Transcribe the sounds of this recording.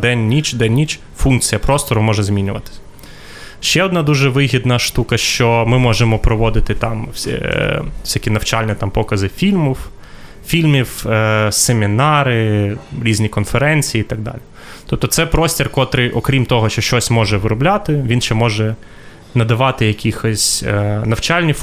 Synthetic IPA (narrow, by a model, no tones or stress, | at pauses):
d̪ɛnʲːit͡ʃd̪ɛnʲnʲːit͡ʃ | funk̚t͡sʲijɐpɾɔst̪ɔɾʊmɔʒɛzmʲinʲʊʋɐt̪ɪ̥sʲɐ | ʃt͡ʃɛɔd̪nɑd̪uʒɛʋɪɦʲid̪nɐʃt̪ukɐʃt͡ʃɔmɪmɔʒemɔpɾɔʋɔd̪ɪt̪ɪt̪ɑmsʲ | sʲakʲinɐwt͡ʃɑlʲnʲɐt̪ɑmpɔkɐzɪfʲilʲmiw | fʲilʲmʲiwsemʲinɑɾɪɾʲizʲnʲikɔnfeɾɛnʲt͡sʲijːiit̪ɐɡ̚d̪ɑ̰lʲi | t̪ɔp̚t̪ɔt̪sɛpɾɔsʲtʲirkɔt̪ɾɪʔɔkɾʲimt̪ɔɦɔʃt͡ʃɔʃt͡ʃɔsʲmɔʒɛʋɪɾʊblʲat̪ɪʋʲinʃt͡ʃɛmɔʒɛ | nɐd̪ɐʋɑt̪ɪjɐkʲixɔsʲnɐwt͡ʃɑlʲnʲi